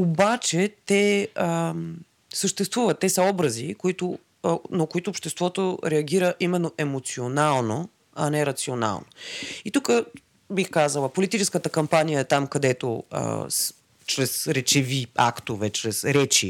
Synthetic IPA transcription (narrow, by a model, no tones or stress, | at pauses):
obat͡ʃɛt̪ɛə | səʃt̪ɛst̪vuvɐt̪ːɛsəɔbɾɐzikoit̪ʊ | nɐkoit̪ʊːpʃt̪ɛst̪vɔt̪oɾɛɐɡ̟iɾəʔimɛnːoʔɛmot̪sionalˠno | ɐnɛɾɐt̪siona̰lˠno̰it̪ukə | bixkazəlˠəpolit̪it͡ʃɛskət̪əkɐmpanijəɛt̪amkɐd̪ɛt̪oə̰s | t͡ʃɾɛsɾɛt͡ʃɛvia̰kt̪ovɛt͡ʃɾɛsɾɛt͡ʃi